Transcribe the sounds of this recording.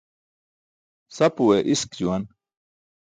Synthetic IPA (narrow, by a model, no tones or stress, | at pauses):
sɐpuweʔiskd͡ʑuwɐn